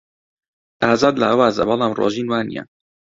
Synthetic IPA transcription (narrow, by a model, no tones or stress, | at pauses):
ʔaːzaːd̪laʔwaːza̰bɑlˠɑːmro̰ːʒiːnwaːnḭja̰